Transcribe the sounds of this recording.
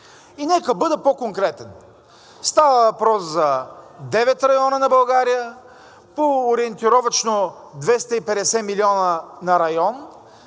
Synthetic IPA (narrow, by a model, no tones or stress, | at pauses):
inɛkəbɤd̪əpokoŋkɾɛt̪ɛn | st̪avəvɐpɾɔszɐd̪ɛvɛt̪ɾɐjɔnənɐbɐlˠɡaɾijə | poːɾiɛnt̪iɾɔvɐt͡ʃno | d̪vɛst̪əipɛd̪ɛsɛmiliɔnənɐɾɐjɔn